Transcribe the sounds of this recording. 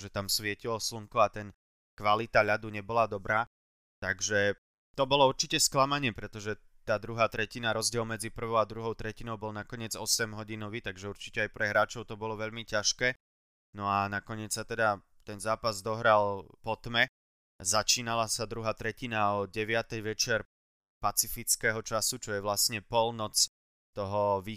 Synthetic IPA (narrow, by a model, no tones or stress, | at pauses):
ʒɛt̪amsʋɪɛcilɔsluŋkɔat̪ɛn | kʋalit̪aʎad̪uɲɛbɔlad̪ɔbɾaː | t̪aɡʒɛ | t̪ɔbɔlɔuɾt͡ʃicɛsklamaɲɪɛpɾɛt̪ɔʒɛt̪aːd̪ɾuɦaːt̪ɾɛcinaɾɔzɟɪɛlmɛd͡zipr̩ʋɔʊad̪ɾuɦɔʊt̪ɾɛcinɔʊbɔlnakɔɲɪɛd͡zɔsɛmɦɔɟinɔʋiːt̪aɡʒɛuɾt͡ʃi̥cɛajpɾɛɦɾaːt͡ʃɔʊt̪ɔbɔlɔʋɛʎmicaʃkɛː | nɔanakɔɲɪɛt͡ssat̪ɛd̪a | t̪ɛnzaːpazd̪ɔɦɾalpɔt̪mɛ | zat͡ʃiːnalasad̪ɾuɦaːt̪ɾɛcinaɔɟɛʋɪat̪ɛjʋɛt͡ʃɪɛɾ | pat͡sifit͡skɛːɦɔt͡ʃasut͡ʃɔjɛʋlasɲɛpɔlnɔt͡s | t̪ɔɦɔʋiː